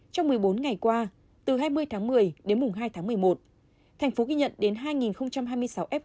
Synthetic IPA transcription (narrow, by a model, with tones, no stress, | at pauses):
t͡ɕɔ˧wŋ͡mmɨ˨˩əjɓo˨˦nŋa˨˩jkwaː˧ | t̪ɨ˨˩ɦaː˧jmɨ˧əjt̪ʰaː˨˦ŋmɨ˨˩əjɗe˨˦nmʊ˨˩ŋ͡mɦaː˧jt̪ʰaː˨˦ŋmɨ˨˩əjmo˨˩t̚ | t̪ʰɛ˨˩ŋ̟fo˨˦ɣi˧ɲə̰˧˨nɗe˨˦nɦaː˧jŋi˨˩nxə˧wŋ͡mt͡ɕa˧mɦaː˧jmɨ˧əjsa˨˦wʔɛ˦˥p̚